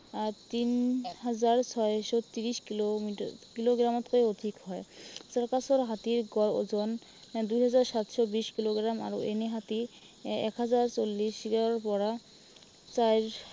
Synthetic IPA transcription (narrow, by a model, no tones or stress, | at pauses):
aɾt̪inɦad͡ʑaɾt͡ɕʰɔeʃɔt̪iɾiʃkilomikiloɡɾamot̪koeod̪ʱikhɔesɔɾkasoɾɦat̪iɾɡɔlo̰d͡ʑɔn | d̪ujɦad͡ʑaɾʃat̪ʃɔbiʃkiloɡɾama̰ɾoḛneɦat̪i | ɛ̰kɦad͡ʑaɾt͡ɕolːiʃiɡaɾɾpɔɾa | t͡ɕajɾ